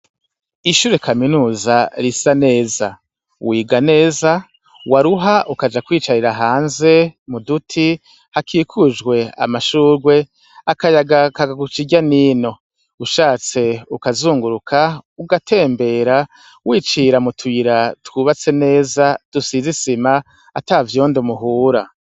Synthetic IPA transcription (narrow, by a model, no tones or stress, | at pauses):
iʃuːɾe̞kʰaminuːzaɾisane̞ːza | wiːɡane̞ːza | waɾuɦaʔukad͡ʒakwiːt͡ʃaɾiɾaɦaːnze̞mudutʰi | hakʰiːkʰud͡ʒɡwe̞a̰maʃuːɾɡwe̞ | akajaɡakaɡaɡut͡ʃiɟaniːno̞ | uʃaːt͡se̞ukazuːŋɡuɾukʰauɡatʰe̞ːmbe̞ɾa | wiːt͡ʃiːɾamutʰwiɾatwuβat͡se̞ne̞ːzad̥usizisima | atavjoːndomuɦuːɾa